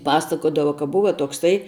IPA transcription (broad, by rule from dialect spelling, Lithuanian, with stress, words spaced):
ˈpɑːsɐkoːdɐʋɐ kɐ ˈbʊʋɐ toːkˈsɐɪ